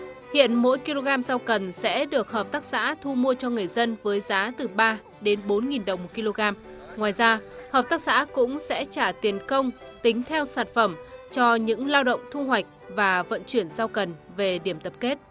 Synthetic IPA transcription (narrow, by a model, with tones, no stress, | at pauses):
hḭ˧˨ənmo̰˧˥jki˧lo˧ɣaː˧mzaː˧wkə˨˩nsɛ̰˧˥ɗɨ˨˩ək̚həː˨˩p̚t̪aː˦˥k̚sa̰ː˧˥t̪ʰu˧mu˧ət͡ɕɔ˧ŋɨ˨˩əjzə˧nvəː˨˦jzaː˨˦t̪ɨ˨˩ɓaː˧ | ɗe˨˦nɓo˨˦nŋi˨˩nɗə˨˩wŋ͡mo˨˩t̚ki˧lo˧ɣaː˧m | ŋwaː˨˩jzaː˧həː˨˩p̚t̪aː˦˥k̚sa̰ː˧˥kʊ̰˧˥ŋ͡msɛ̰˧˥t͡ɕaː˧˩t̪i˨˦ənkə˧wŋ͡mt̪ï˨˦ŋ̟t̪ʰɛ˧wsaː˧˩nfə˧˩mt͡ɕɔ˧ɲɨ̰˧˥ŋlaː˧wɗə̰˧˨wŋ͡mt̪ʰu˧ɦwa˨˩jk̟̚vaː˨˩və̰˧˨nt͡ɕwi˧˩ənzaː˧wkə˨˩nve˨˩ɗi˧˩əmt̪ə˨˩p̚ke˦˥t̚